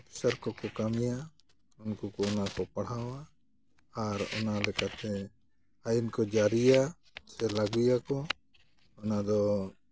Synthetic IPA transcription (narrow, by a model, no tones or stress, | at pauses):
səɾkɔkɔkamija | unkukɔɔnakɔpaɽ̤awaː | ɾɔ̰nalɛkat̪ɛ | ajinkɔd͡ʒaɾija | sɛlaɡujakɔ | ɔnad̪ɔ